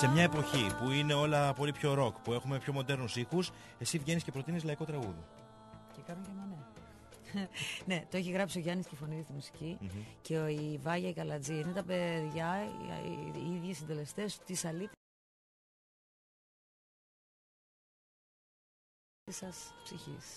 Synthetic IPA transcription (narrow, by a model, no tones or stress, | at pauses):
se̞mɲɐe̞po̞çipuine̞o̞lɐpo̞lipço̞ɾo̞kpue̞xume̞pço̞mo̞d̪e̞ɾnusixus | e̞sivʝe̞nisce̞pɾo̞t̪inizlɐiko̞t̪ɾɐɣuði | cekɐnocɐmɐne | ne̞t̪oe̞çiɣɾɐpsio̞ʝɐniscefo̞niðist̪umusi̥ciceivɐʝɐikɐlɐd͡ziinet̪ɐpeðʝɐ | iðʝisind̪e̞le̞st̪est̪isɐlit̪ | isɐspsiçḭs